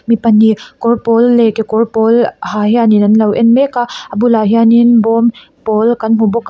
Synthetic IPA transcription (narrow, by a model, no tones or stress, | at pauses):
mipɐnːikɔɾpɔlːekekɔɾpolhahjaninɐnlɐwʔḛnmekaɐbulaɦianinbɔm | pɔlkɐnmubɔk